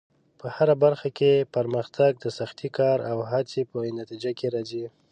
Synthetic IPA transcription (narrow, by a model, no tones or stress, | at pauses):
pəhaɾabaɾxakepəɾməxt̪ʰaɡ̚d̪əsaxt̪ikʰɑɾawɦat͡sipənat̪id͡ʒakeɾɑzi